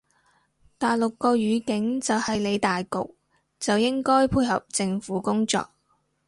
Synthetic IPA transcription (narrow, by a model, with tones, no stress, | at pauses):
t̪aː˨jlʊ˨kːɔː˧ɥyː˨˧kɪ˨˥ŋt͡sɐ˨whɐ˨jle˨˧jt̪aː˨jkʊ̰˨k̚ | t͡sɐ˨wjɪ˥ŋkɔː˥jpʰuː˧jhɐ̰˨p̚t͡sɪ˧ŋfuː˨˥kʊ˥ŋt͡sɔ̰ː˨k̚